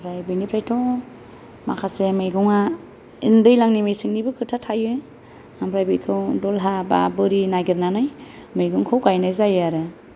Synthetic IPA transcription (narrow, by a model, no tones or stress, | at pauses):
ɾajbɯjnipʰɾajtʰɔ | makʰasemɯjɡɔŋa | indɯjlaŋnimejsɯŋnibɯkʰɯtʰatʰajɯ | ambɾajbɯkʰɯwdɔlɦaba̰bɯɾinaɡiɾnanajmɯjɡɯŋkʰɯwɡajnajzajaɾɯ